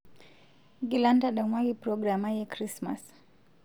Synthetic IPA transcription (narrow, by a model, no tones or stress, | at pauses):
ɡilandadɔmwaɡipɾɔɡɾamajɛkɾisma̰s